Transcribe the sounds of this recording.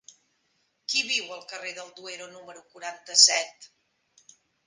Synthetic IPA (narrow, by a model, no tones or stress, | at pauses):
kiβiwəlˠkəreðəlˠd̪ueɾonuməɾukuɾant̪əsɛt̪